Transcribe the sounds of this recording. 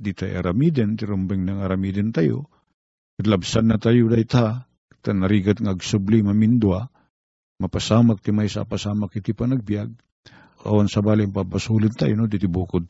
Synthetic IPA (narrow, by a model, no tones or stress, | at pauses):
d̪it̪aj̰ʔa̰ɾamid̪ɛnt̪ɪɾumbɛŋnaŋaɾamid̪ɪnt̪ajo̰ | kad̪labsanːɐt̪ajod̪ajt̪aa | t̪anaɾiɡat̪ŋaːɡsublimamind̪ua | mɐpasaːmak̚t̪ɪmajsa̰pasaːmakit̪ipanaɡ̚bijaɡ̚ | a̰wansabaːlɪŋpapasulɪnt̪a̰jonod̪it̪ɪbuːkʊd̪̚